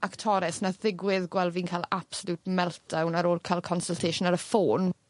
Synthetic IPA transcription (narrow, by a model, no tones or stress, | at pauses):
ʔaktʰɔɾɛsnaðɪɡwɪðɡwɛlˠviːnkʰalˠapsɔlˠutmɛlˠt̚d̥awnaɾoːlˠkʰalˠkʰɔnsəlˠtʰeʃʊnaɾəfoːn